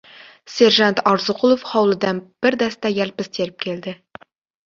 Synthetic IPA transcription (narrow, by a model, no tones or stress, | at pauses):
se̞ɾʒɑnt̪ɑɾzəqʰʊlˠofχɑwlˠəd̪ɑnb̥ɪɾd̪æst̪ɑjælpɪst̪ʰe̞lɪp̚kʲʰe̞ld̪ɪ